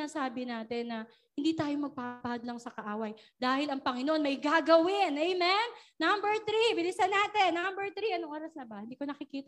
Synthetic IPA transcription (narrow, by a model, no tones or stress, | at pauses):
ɐsaːbɪnaːt̪ɛnːɐ | hɪnd̪iːt̪aːjomɐɡ̚papaːɐd̪lɐŋsɐkɐʔaːwɐjd̪aːhɪlɐŋpɐŋɪnoʔonmɐjɡaːɡɐwɪnʔɛjmɛnːambɛɹt̪ɾibɪlɪsɐnaːt̪ɛnːambɛɹt̪ɾiɐnoŋʔoːɾɐsnɐbɐhɪnd̪iːkonɐkɪkiːt̪